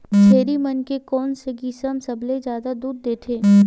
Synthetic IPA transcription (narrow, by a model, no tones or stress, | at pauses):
t͡ʃʰeːɾimɐnkekɔːnseɡisəmsɐblezjaːd̪ad̪uːd̪ːeːt̪ʰeː